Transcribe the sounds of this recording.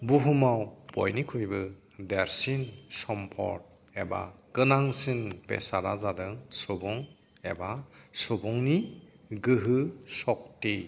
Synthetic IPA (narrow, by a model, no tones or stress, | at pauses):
buɦumawb̥ɔ̰jnikʰujbɯ | deɾsinsɔmpʰɔ̰ɾt̚ | eba̰kɯnaŋsinpḛsaɾazadɯŋsɔbɔŋ | ebasɔbɔŋni | ɡɯɦɯsɔk̚ti